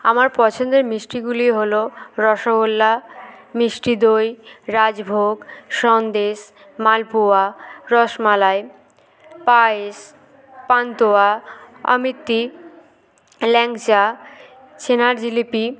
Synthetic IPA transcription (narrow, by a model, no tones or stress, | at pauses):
a̰maɾpɔt͡ɕʰond̪eɾmɾisʈiɡuliɦoloɾɔʃobolːamisʈid̪ojɾad͡ʑbʱoɡʃɔnd̪eʃ | malpuaɾɔʃmalae | paes | pant̪oaɔ̰mit̪ːi | lɛŋt͡ɕa | t͡ɕenaɾd͡ʑilipi